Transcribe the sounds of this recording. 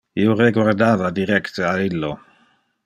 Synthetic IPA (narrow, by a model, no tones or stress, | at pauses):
ioreɡward̪aːðad̪iɾɛkt̪ealilːo